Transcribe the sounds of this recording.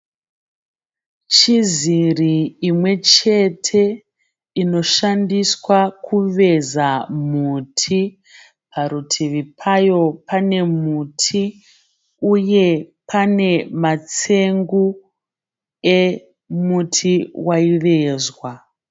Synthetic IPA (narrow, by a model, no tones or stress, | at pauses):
t͡ʃiziriːmwe̞t͡ʃe̞tʰe̞ | ino̞ʃandiswakʰuʋe̞zamutʰi | pʰaɾutʰiʋipʰajo̞pʰane̞mutʰi | uje̞pʰane̞mat͡se̞ŋɡu | e | mutʰiwaiʋe̞ːzwa